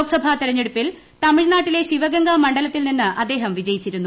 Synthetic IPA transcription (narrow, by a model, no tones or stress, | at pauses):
oːksɐbʱɐt̪iɾɐɲːeɽupːil | t̪ɐmiɻnaːʈːile̞ɕiʋɐɡɐŋɡamɐɳɖɐlɐt̪ːilninːɨʔɐd̪ːe̞ːɦɐmʋid͡ʑɐjit͡ɕːiɾunːu